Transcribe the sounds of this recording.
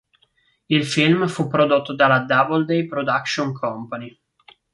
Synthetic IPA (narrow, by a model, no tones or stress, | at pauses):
ilfilmfupːɾod̪ot̪ːod̪alad̪abold̪ejpɾod̪akʃoŋkʰɔmpani